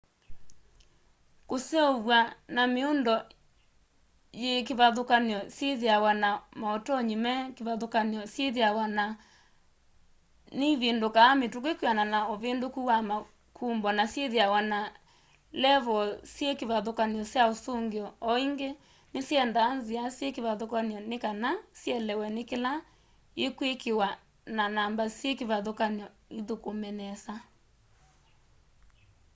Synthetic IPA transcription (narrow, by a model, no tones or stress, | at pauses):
koseoβwanameondɔ | jekeβaðokaniɔseðeawanamaotɔɲimɛkeβaðokaniɔsjeðeawana | neβendokaːmetukekweananaoβendokuwama | kʰumbwɔnasjeðeawana | lɛβɔsjekeβaðokaniɔsjaosoŋɡeɔɔiŋɡe | nesjɛndaːnziasjekeβaðokaniɔnekanasjɛlɛwɛnekela | ekwekewa | nanambasjekeβaðokaniɔ | iðokomɛnɛsa